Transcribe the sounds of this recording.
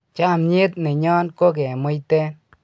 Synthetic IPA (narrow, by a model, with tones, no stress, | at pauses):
t͡ʃa˦˨mɲe˦t̪̚nɪ˨ɲɔ˦nko˦k̬ɛ˨mo˦jtɛ˦n